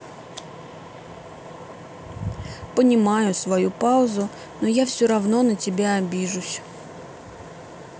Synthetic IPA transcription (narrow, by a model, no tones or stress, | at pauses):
pənʲɪmajʊsvɐjupaʊzʊ | nojafsʲoɾɐvno̞nətʲɪbʲaɐbʲiʐʊsʲ